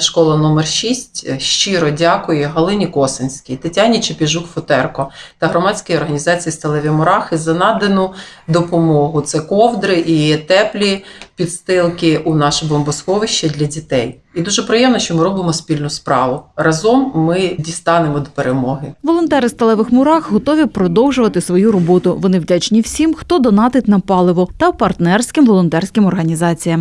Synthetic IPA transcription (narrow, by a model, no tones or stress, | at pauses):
ʃkɔlˠɐnɔmerʃʲisʲtʲʃt͡ʃiɾɔdʲɑkʊjɛɦɐlˠɪnʲikɔsɪnʲsʲkʲijt̪ɪtʲanʲit͡ʃepʲiʒukfʊt̪ɛrkɔt̪ɐɦɾɔmɑt͡sʲkɪjɔrɦɐnʲizɑt͡sʲijist̪ɐlˠɛʋʲimɔɾɑxɪzɐnɑd̪enʊd̪ɔpɔmɔɦʊt̪sɛkɔwd̪ɾɪʔit̪ɛplʲipʲid̪st̪ɪlˠkɪʔunɑʃɛbɔmbʊskɔʋɪʃt͡ʃɐd̪ʲlʲɐdʲit̪ɛj | id̪uʒɛpɾɪjɛmnɐʃt͡ʃɔmɪɾɔbɪmɔspʲilʲnʊspɾɑ̰ʋʊrɐzɔmːɪdʲist̪ɑnemɔd̪ɔpeɾemɔɦɪʋɔlˠɔnt̪ɛɾɪst̪ɐlˠɛʋɪxmʊɾɑxɦɔt̪ɔʋʲipɾɔd̪ɔwʒʊʋɐt̪ɪsʋɔjuɾɔbɔt̪ʊʋɔnɪwdʲat͡ʃnʲiwsʲimxt̪ɔd̪ɔnɑt̪ɪt̪ʲnɐpɑlˠɪʋɔt̪ɐwpɐrt̪nɛrsʲkɪmʋɔlˠɔnt̪ɛrsʲkʲɪmɔrɦɐnʲizɑt͡sʲijɐm